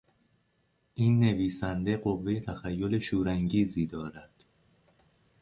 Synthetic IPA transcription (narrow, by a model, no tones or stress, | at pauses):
ʔiːnːe̞viːsænd̪e̞ɢo̞vːe̞jet̪ʰæxæjːo̞le̞ʃuːɾæŋɟiːziːd̪ɒːɾæd̪̥